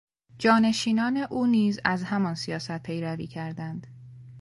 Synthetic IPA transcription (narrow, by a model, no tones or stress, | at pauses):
d͡ʒɒːne̞ʃiːnɒːne̞ʔuːniːzæzhæmɒnsijɒːsæt̪̚pʰe̞jɾævḭːcʰæɾd̪ænd̪̥